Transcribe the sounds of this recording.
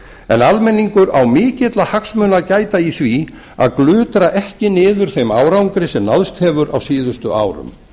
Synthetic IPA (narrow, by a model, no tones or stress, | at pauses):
ɛ̰nalmɛnːiŋkʏɾawmɪːcɛt̪lahaksmœːnacaːjt̪aiθvi | a̰ðklʏːt̪ɾaʔɛhcɪnɪːðʏɾ̥θejmaːwɾawŋkɾɪsɛmnaðst̪hɛːvʏɾa̰wsiːðʏst̪ʏ̰ʔa̰ːwɾʏ̰m